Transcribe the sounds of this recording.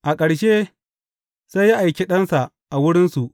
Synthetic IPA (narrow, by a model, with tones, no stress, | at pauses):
ʔa˨kʼɐ˨ɽʃe˦ | sa˦jːa˦ʔa˨jkʲe˦ɗɐ˦nsa˨ʔ | ʔa˨wʊ˦ɽɪ˦nsu˨ʔ